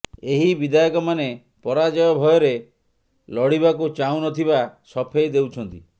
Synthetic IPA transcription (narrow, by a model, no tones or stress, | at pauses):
eɦibid̪ajɔkɔmane | pɔɾad͡ʒɔjɔbʱɔjɔɾe | lɔɽibakut͡ʃawnɔt̪ʰiβasɔpʰejd̪ewt͡ʃʰɔnt̪i